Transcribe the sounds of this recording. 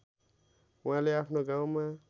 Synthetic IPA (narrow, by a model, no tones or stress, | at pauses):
uɦãleapʰnoɡaw̃ma